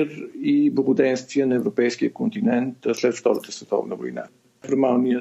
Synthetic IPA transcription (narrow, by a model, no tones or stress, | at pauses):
ɾiblˠəɡʊd̪ɛnst̪viənɐɛvɾopɛjsk̟ijəkont̪inɛnt̪slɛt̪ft̪ɔɾət̪əsvɛt̪ɔ̰vnəvo̰jna̰ | fɾɾmalˠniə